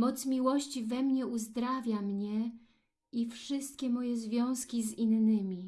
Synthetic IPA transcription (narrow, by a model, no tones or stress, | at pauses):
mɔt̪smʲiwɔɕt͡ɕivɛmɲɛuzd̪ɾavʲjamɲɛ | ifʂɘst̪̚kʲɛmɔjɛzvʲjɔ̃w̃skʲizinːɘmʲi